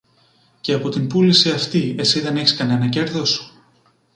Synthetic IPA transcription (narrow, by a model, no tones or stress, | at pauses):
ce̞ɐpo̞t̪imbulisiɐft̪ie̞siðe̞neçi̥skɐne̞nɐce̞ɾðo̞su̥